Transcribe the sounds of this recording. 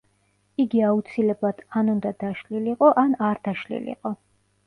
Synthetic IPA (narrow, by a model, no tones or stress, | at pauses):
iɡiaut̪sʰilɛblˠad̪̥ʰanund̪ad̪aʃliliqʼɔʔanaɾd̪aʃlḭlḭqʼɔ